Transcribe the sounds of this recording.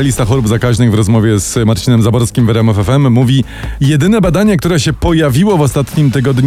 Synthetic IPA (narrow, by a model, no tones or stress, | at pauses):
alʲist̪axɔɾubzakaʑnɘɣvɾɔzmɔvʲjɛzmaɾt͡ɕinɛmzabɔɾskʲimvɛɾɛmɛfɛfɛmːuvʲi | jɛd̪ɘnɛbad̪aɲɛk̚t̪uɾɛɕɛpɔjavʲiwɔvɔst̪at̪ɲimt̪ɘɡɔd̪ɲ